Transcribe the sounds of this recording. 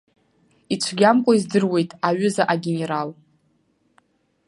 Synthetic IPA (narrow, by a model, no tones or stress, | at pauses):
it͡ɕʷʰɡʲamkʷʼoizdɨrwe̞jtʼaɥʊzaʔaɡʲene̞ɾal